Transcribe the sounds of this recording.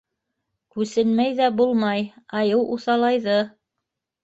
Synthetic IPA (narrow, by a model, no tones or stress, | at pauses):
kʉsɘnmæjðæbulˠmɑjɑjɤwʔuθɑlˠɑjðɤ